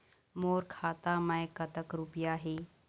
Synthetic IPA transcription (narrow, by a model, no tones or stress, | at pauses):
moːɾkʰaːt̪aməjkət̪əkɾupjaːɦeː